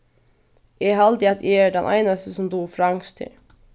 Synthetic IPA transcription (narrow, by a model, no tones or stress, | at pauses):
eːɦɑld̪ɪɑt̪ʰʔeːæɖɛ̰nʔæ̰ɪnɑst̪əsɔmd̪uːfɾɑŋst̪ʰɪ̰